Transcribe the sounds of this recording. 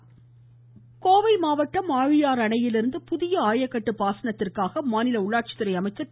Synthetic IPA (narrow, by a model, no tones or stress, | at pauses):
koːʋɐɪmaːʋɐʈːɐmaːɻɪjaːɾɐɳɐjɪlɪɾɯnd̪ɯpʊðɪjɐaːjɐkːɐʈːɯpaːsɐnɐt̪ːɪrkaːɣɐmaːnɪlɐʊɭːaːʈ̚t͡ʃɪ̥t̪ːɪɾɐɪɐmɐɪt͡ʃːɐ